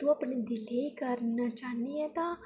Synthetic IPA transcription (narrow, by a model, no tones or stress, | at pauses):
t̪uɐpɳed̪ɪleikəɾnat͡ʃaːneɛ̃t̪ã